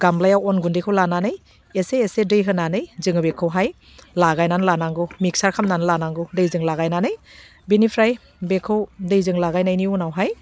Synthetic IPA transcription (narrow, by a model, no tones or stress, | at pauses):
ɡ̥amlajawɔnɡundijkʰɯwlananɯj | eseːsedɯjɦɯnanɯjzɯŋɯbekʰɯwɦaj | laɡajnanlanaŋɡɯmik̚saɾkʰamnanɯlanaŋɡɯdɯjzɯŋlaɣajnanɯj | binipʰɾaj | bekʰɯwdɯjzɯŋlaɡajnajniunawɦaj